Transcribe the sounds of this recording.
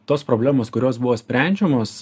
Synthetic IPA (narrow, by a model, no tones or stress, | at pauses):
t̪oːspɾoːbʲlʲæːmoːskʊɾʲoːsbʊʋoːsʲpʲɾʲɛˑnʲd͡ʒʲɛmoːs